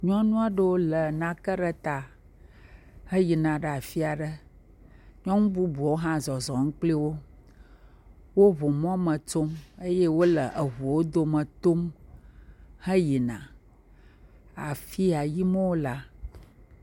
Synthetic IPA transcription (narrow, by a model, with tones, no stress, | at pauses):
ɲɔ̃˦nũ˦a˦ɖə˦wo˦lə˨nã˨kə˦ɖə˦t̪a˨ | hə˦ji˨nã˨ɖə˨a˨fi˦a˨ɖə˦ | ɲɔ̃˦ŋũ˦bu˦bu˨wo˦ɦã˦zɔ˨zɔ˨ŋ̩̃˦k͡pli˦wo˦ | wo˦βo˨m˦ɔ̃˦mə˨to˦mə˦je˦wo˦lə˨ʔə˨ɦu˨wo˦d̪o˨mə̃˨t̪o˦m | hə˦ji˨nã̰˨ | a˨fi˦a˨ji˦mə˦wo˦la˦